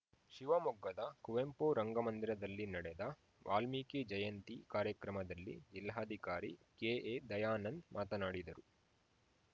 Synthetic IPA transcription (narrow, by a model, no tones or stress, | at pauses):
ʃiʋɐmɔɡːɐd̪ɐkuʋempoɾɐŋɡɐmɐnd̪iɾɐd̪ɐlːinɐɽɛd̪ɐ | ʋʔa̰ːlmiked͡ʒɐjɐnt̪ikaːɾjɐkɾɐmɐd̪ɐlːḭilɦaːd̪ʱikaːɾḭkeːeːd̪ɐjaːnɐnd̪mʔaːt̪ɐnaːɽid̪ɐɾu